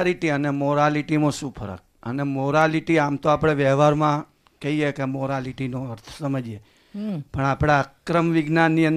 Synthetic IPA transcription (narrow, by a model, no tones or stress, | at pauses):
liʈiənemoɾaliʈimõʃũpʰə̰ɾə̰k̚ə̰nemoɾaliʈiamt̪oapɽ̃eʋɛʋaɾmã | kəɦiekemoɾaliʈinoəɾt̪ʰə̥səməd͡ʒe | pəɳapɽ̃aəkɾəmʋiɡnanːiən